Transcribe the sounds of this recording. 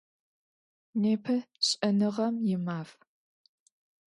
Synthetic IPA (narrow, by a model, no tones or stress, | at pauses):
neːpʰɐɕʼɐnɨʁɐmjɪmaːf